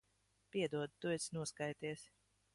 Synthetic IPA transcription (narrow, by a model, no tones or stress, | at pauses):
pʲiɛd̪uɔd̪̚t̪ujt̪snuɔskajt̪iɛsʲ